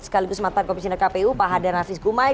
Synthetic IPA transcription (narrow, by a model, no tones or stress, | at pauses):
sə̥kaliɡʊsmat̪ankɔmis̬inɛkapeupaɦadarnafisɡuma